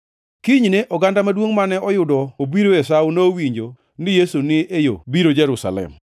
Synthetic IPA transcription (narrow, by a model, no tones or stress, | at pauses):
kiɲneʔɔɡandamadwoŋmanɛɔjʊdɔobiɾoɛsawunoowiɲd͡ʒo | nɪjesunɪejo̰biɾod͡ʒɛɾusa̰lɛ̰m